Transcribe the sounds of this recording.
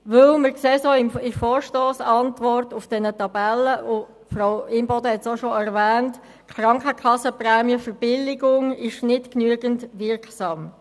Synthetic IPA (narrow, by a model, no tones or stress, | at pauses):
ʋɵlməɾkseːsoɪmɪfɔːɹʃtoːsɑntʋɔrtʊfd̥ɛnətɑbɛləʊ | froʊɪmbɔdəhɛtsoʃoɛɾvɛːnt | kʰɾɑŋkəkʰɑsəprɛːmjəfəɾb̥ɪlɪɡʊŋɪʃnɪtknyəɡəntʋɪɾksɑːm